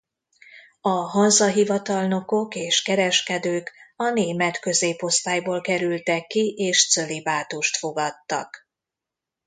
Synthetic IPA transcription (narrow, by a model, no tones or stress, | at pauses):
ɒɦɒnzɒɦivɒt̪ɒlno̞ko̞keːʃkɛɾɛʃkɛd̪øːkɒneːmɛt̪kø̞zeːpo̞st̪aːjboːlkɛɾylt̪ɛkːiʔeːʃt̪sølibaːt̪uʃt̪fo̞ɡɒt̪ːɒ̰k